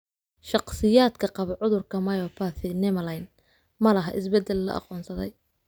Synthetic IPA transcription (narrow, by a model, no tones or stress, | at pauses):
ʃɑqsɪjaːd̪kʰɐqɑβɔʕʊðʊrkʰɐmɐjɔpaθɪnɛmɐlɐjn | mɐlɐɦɐ̰ʔɪsbɛd̪ːɛlːɐ̰ʔɑ̰qɔːnsɐðɛ̰j